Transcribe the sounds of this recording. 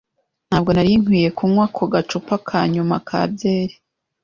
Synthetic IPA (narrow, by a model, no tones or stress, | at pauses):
n̥haːb̚ɡo̞naɾiŋ̥wiːje̞kuːmŋwaːkʰo̞ɡat͡ʃupakʰaːɲumakʰa̰ːbje̞ːɾe